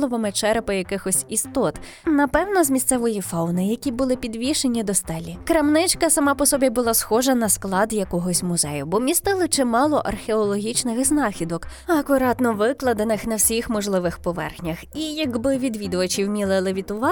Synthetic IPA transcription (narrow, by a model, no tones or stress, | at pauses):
lˠɔʋɐmɪt͡ʃɛɾpɪjɐkɪxɔsʲist̪ɔt̪ | nɐpɛwnɔzmʲist̪sɛʋɔjifɑwnɪjɐkʲibʊlˠɪpʲid̪ʋʲiʃenʲːid̪ɔst̪ɛlʲːikɾɐmnɪt͡ʃkɐsɐmɑpɔsɔbʲibʊlˠɑsxɔʒɐnɐsklˠɑd̪jɐkɔɦɔsʲmʊzɛ̰jʊbɔmʲist̪ɪlˠɪt͡ʃɪmɑlˠɔʔɐrxeɔlˠɔɦʲit͡ʃnɪxznɑxʲid̪ɔkɐkʊɾɑt̪nɔʋɪklˠɐd̪enɪxnɐwsʲixmɔʒlˠɪʋɪxpɔʋɛ̰rxnʲɐxijɐkbɪʋʲid̪ʋʲid̪ʊʋɐt͡ʃiwmʲilˠɪlˠɪʋʲit̪ʊʋɑ